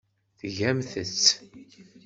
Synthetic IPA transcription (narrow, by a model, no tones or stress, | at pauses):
θəʝæmθət͡sː